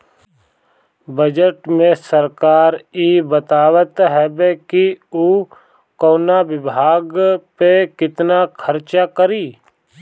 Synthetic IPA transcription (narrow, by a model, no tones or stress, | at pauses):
bəd͡ʒəʈmẽsəɾkaːɾibət̪aːwət̪ɦɛbekiuː | koːnabɪbʱaːɡpekɪt̪nakʰəɾt͡ʃakəɾiː